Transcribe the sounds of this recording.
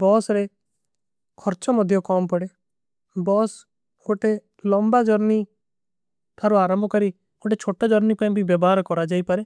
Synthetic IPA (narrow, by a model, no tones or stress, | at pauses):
bɔːsɾe | kʰɔɾt͡ʃɔmɔd̪ʱjɔkɔːmpɔɽe | bɔːs | oʈe | lɔmbad͡ʒɔɾni | t̪ʰaːɾoaːɾambʱɔkɔɾi | oʈ̬et͡ʃʰoːʈːad͡ʒɔɾnipãːĩbʱibjɛbɔɦaɾkɔɾad͡ʒaːipaɾe